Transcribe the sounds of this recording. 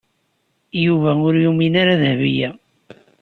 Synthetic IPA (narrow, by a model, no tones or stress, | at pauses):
juvæʊɾjuminaɾaðhvijæ